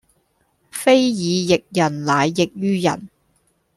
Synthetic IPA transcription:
fe˥jjiː˨˧jɪ˨k̚jɐ˨˩nlaː˨jːɪ˨k̚jyː˥jɐ̰˨˩n

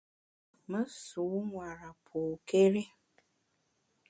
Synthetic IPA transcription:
mə˦su˨˦ŋʷa˨ɾa˨pʰo˨ke˦ɾe˦

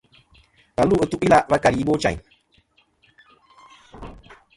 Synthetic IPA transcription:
ba˨lu˦˨ə˨tu˦ʔi˦la˨va˦ka˨ɾi˨i˦bo˦t͡ʃã̰˨

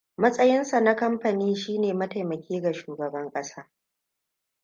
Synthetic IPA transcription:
mɐ˦sʼɐ˦jɪ˦nsa˨na˦kɐ˦mɸɐ˨niː˦ʃiː˦neː˨mɐ˦ta˨jmɐ˨kʲeː˦ɡa˨ʃuː˨ɡɐ˨bɐ˦ŋkʼɐ˦saː˦

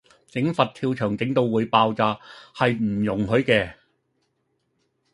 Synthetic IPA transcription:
t͡sɪ˨˥ŋfɐ˨t̚t̪ʰiː˧wt͡ʃʰœː˨˩ŋt͡sɪ˨˥ŋt̪o˧wwuː˨˧˥jpaː˧wt͡saː˨˧hɐ˨jm̩˨˩jʊ˨˩ŋhɵ˨˥ɥkɛː˧

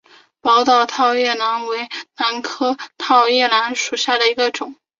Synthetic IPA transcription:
pɑ˧˥ʊt̪ɑ˥˩ʊt̪ʰɑ˥˧ʊjɛ˥˩na˧˥nwe˧˥ɪna˧˥nkʰɤ˥t̪ʰɑ˥˧ʊjɛ˥˩la˧˥nʂu˨˩ɕja˥˩d̪ə˩i˧˥ɡə˧ʈ͡ʂʊ˨˩˦ŋ

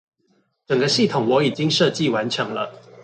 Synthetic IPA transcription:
ʈ͡ʂə˨˩ŋɡə˦ɕi˥˨t̪ʰʊ˨˩ŋwɔ˨˥i˨˩t͡ɕi˦ŋʂɤ˥˧t͡ɕi˥˨wa˧˦nʈ͡ʂʰɤ˧˦ŋlə̰˧

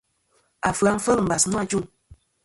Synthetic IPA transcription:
a˨fɨ˨a˨˦ŋ̩˦fə˦lm̩˨ba˨snu˦a˦˨d͡ʒu˦˨ŋ

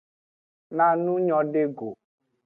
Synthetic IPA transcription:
nã˨nũ˦ɲɔ̃˦ɖe˦ɡo˨

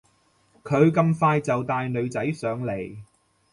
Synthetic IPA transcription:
kʰɵ˨˧ɥkɐ˧mfaː˧jt͡sɐ˨wt̪aː˨jnɵ˨˧ɥt͡sɐ˨˥jsœː˨˧ŋle˨˩j

